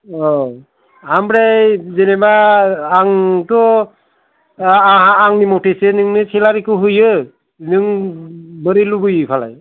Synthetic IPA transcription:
ɔ | amɾazenemaː | ŋtɔ | ɦaːŋnimɔtʰesenɯŋnɯselaɾikɯɦɯjɯ | nɯŋ | bəɾilubɯjɯpʰala̰j

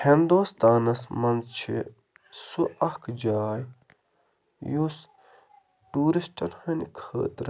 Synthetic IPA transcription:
hind̪oːst̪aːnɐsmɐnzt͡ʃʰḭ | suʔɐhkʰd͡ʒaːj | jus | ʈuːɾisʈɐnhɐnkʰə̰ːt̪ɾ

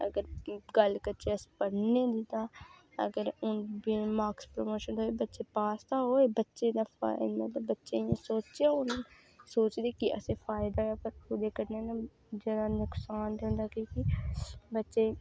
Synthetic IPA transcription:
ɐ̰ɡəɾɡɐlkɐt͡ʃeɐspɐɽ̤ned̪id̪a | ɐ̰ɡəɾʊnbimaːkspɾomoːʃənoːebɐtːʃepaːst̪aɦoːebɐtːʃed̪afa̰mɐt̪ləbːɐtːʃejesoːt͡ʃeʊn | soːt͡ʃd̪ekiʔə̰sefaːɪd̪aapəɾkʰud̪ekɐɾnena | d͡ʒɐːd̪anʊksaːnd̪eʊ̃nd̪akikibɐtːʃe

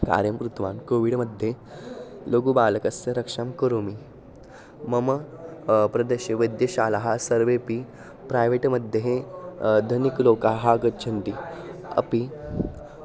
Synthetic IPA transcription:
ka̰ɾjəmpɾut̪ʰʋaːnkoʋiɽməd̪ʱːje | loɡubaləkəsəɾɐkʂamkəɾumi | məmə | pɾɐd̪əɕəʋəjd̪jəɕaːlaɦasəɾʋepi | pɾajʋeʈməd̪ʱjeɦed̪ʱɐnikloːkaɦaɡətt͡ɕʰənt̪iɐ̰pi

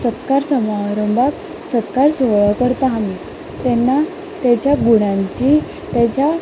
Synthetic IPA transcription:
sət̪kaɾsəmaɾəmbak | sət̪kaɾsoɭəkəɾt̪aami | t̪ɛnːa | t̪ɛt͡ɕjaɡuɽ̃ãɲt͡ɕi | t̪ɛt͡ɕja

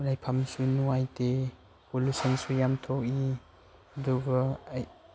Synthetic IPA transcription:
lajpʰamsunuajte | polusɔnsujamtʰɔk̚i | ɐduɡɐj

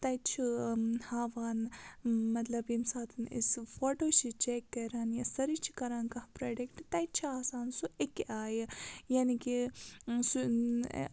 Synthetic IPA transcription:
t̪ɐt͡ʃʰihaːʋaːn | mɐt̪lɐbimsaːt̪ʰnisfoːʈoːt͡ʃit͡ʃekːɐɾaːnjasɐɾit͡ʃʰi̥kɐɾaːnkɐhpɾeːɖekʈt̪ɐjt͡ʃʰiaːsaːnsuekaːjejaːnikisu

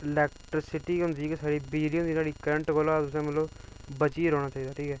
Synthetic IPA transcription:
ɪlɛːkʈɾɪsɪʈiːɦʊ̃nd̪iːkɛsaːɽiːbɪd͡ʒliõːd̪iːnaːɽiːkəɾəɳʈkoːlaːt̪ʊsẽːməloːbət͡ʃiːɾoːɽ̃aːt͡ʃaːiːd̪aːʈʰiːkɛː

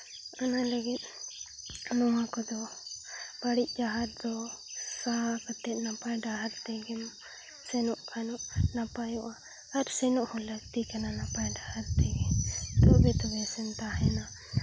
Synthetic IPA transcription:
analəɡit̪̚ | nɔwakɔd̪ɔ | b̥aɽiʔ̚ˀd͡ʒaɦaɾ̚d̪ɔsaɦakɔt̪ɛt̪napajɖaɦaɾt̪ɛɡɛm | sɛnɔʔkʰanɔʔnapajɔʔaː | ɾsɛnuʔhɔ̃ləɡt̪ikananapajɖahaɾt̪ɛɡɛd̪ɔbɛt̪ɔbɛsɛnt̪aɦɛna

